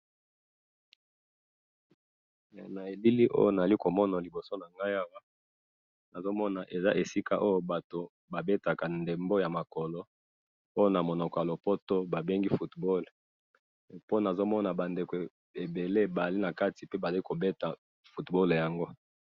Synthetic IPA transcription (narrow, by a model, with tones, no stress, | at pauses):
na˨e˨bi˦li˦ʔo̰˦jo˦na˨a˨li˦ko˨mɔ˦na˨li˨bo˨so˦na˨ŋɡa˦ja˦wa˦ | na˨zo˦mɔ˦na˨ʔe˨za̰˦ʔe˨si˦ka˦ʔo˦jo˦ba˨to˨ | ba˨be˦ta˨ka˨nde˨mbo˦ja˨ma˨kɔ˨lɔ˦ | o˦jo˦na˨mo˨nɔ˨kɔ˨ja˨lo˨pɔ˦to˦ba˨be˦ŋɡi˦fu˨tbɔ˦l | po˦na˨zo˦mɔ˦na˨ba˨nde˨ke˨ | e˨be˨le˦ba˨li˦na˨ka˦ti˨pe˦ba˨a˨i˦ko˨be˦ta˨ | fu˨tbɔ˦lja˨ŋɡo˦